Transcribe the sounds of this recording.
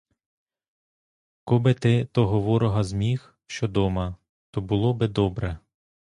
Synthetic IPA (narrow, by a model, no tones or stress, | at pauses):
kɔbɪt̪ɪt̪ɔɦɔʋɔɾɔɦɐzmʲix | ʃt͡ʃɔd̪ɔmɐ | t̪ɔbʊlˠɔbɪd̪ɔbɾɛ